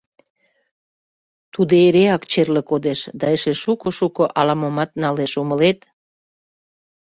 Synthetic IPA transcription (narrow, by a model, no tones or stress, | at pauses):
t̪ud̪eeɾeɑkt͡ɕerlĕkod̪eʃd̪ɑeʃeʃukoʃukoʔɑlɑmomɑt̪nɑleʃuməlet̪